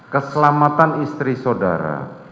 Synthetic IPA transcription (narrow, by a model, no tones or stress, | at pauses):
kəsəlamat̪anist̪ɾisoda̰ɾa̰